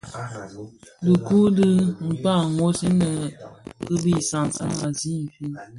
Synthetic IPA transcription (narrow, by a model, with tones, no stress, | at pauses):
dɨ˨ku˦dɨ˦m̩˨pa˦˨ŋo˦si˦nə˨kɨ˦bi˦˨sa˨ŋa̰˦ma˨zi˦m̩˨fi˦